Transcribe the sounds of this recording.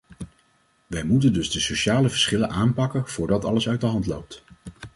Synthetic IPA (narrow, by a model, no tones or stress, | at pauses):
ʋɛjmutəndɵzdəsoʃaːləvəɹsχɪlənʔaːmpɑkənv̥ʊːɹdɑtɑ̰ləsœɥtdəɦɑntlowp̚t